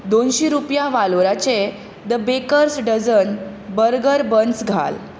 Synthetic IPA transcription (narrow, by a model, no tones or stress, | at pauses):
d̪onɕiɾupjaʋaloɾat͡ɕe | d̪əbekəɾsɖəd͡zən | bəɾɡəɾbənsɡʱa̰l